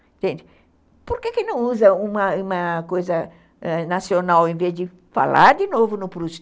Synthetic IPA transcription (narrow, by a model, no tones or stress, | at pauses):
ẽt̪ẽnd͡ʒ̪ɪ | poɾkekẽnɐ̃w̃uzɐũmɐũmɐkojzɐ | ɛnasionawẽvezd̪ɪ | fa̰lʔa̰ɾd̪ɪnovʊnʊpɾus